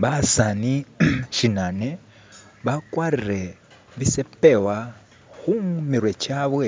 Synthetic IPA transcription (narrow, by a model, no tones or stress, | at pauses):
βasaniʃinane | βakwariɾe | βisɛpewa | ɣuŋmiɾwɛt͡ʃaβwe